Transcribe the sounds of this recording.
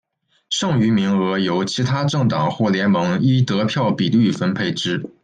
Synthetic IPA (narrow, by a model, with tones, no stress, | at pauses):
ʂɤ˥˩ŋy˧˥mi˧˥ŋɤ˧˥jo˧˥ʊt͡ɕʰi˧˥t̪ʰa˥ʈ͡ʂɤ˥˩ŋt̪ɑ˨˩ŋxwɔ˥˩ljɛ˧˥nmɤ˧˥ŋi˥t̪ɤ˧˥pʰjɑ˥˩ʊpi˨˩ly˥˩fə˥npʰe˥˩ɪʈ͡ʂɻ̩˥